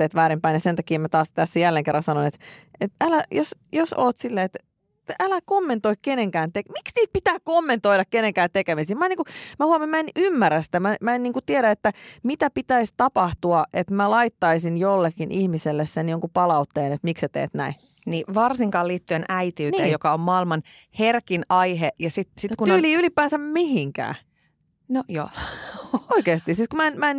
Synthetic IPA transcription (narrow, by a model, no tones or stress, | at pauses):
eːt̪ʋæːɾimpæinjɑsent̪ɑkiːmæt̪ɑːst̪æsːæjælːeŋkerːɑnsɑnonet̪eælæjosjoso̰ːt̪silːeːet̪ | t̪ælækomːent̪oikkeneŋkæːnt̪ekmiksniːt̪̚pit̪æːkomːent̪oiɾɑkkenẽŋkæːt̪ekemisiːmɑenːiːŋkumæhuɑmːemænymːærːæst̪æmæmæeniːŋkut̪ieɾæet̪ːæmit̪æpit̪æist̪ɑpɑht̪uɑʔet̪mælɑit̪ːɑisinjolːekːinʔihmiselːessenjoŋkupɑlɑut̪ːeːnet̪mikset̪ḛːt̪næ̰i | niʋɑrsiŋkɑːliːt̪ːyenæit̪iːnieːjjokɑommɑːilmɑnherkinɑiɦejɑsit̪sikunoːliːylipːæːnsæmmihiŋkæ̰ː | nojo̰ː | oikeːst̪isiːt̪kumæenmæen